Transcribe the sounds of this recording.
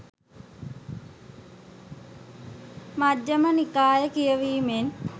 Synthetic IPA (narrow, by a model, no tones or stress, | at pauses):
mad͡ʒːəmənikaːjəkijəʋiːmen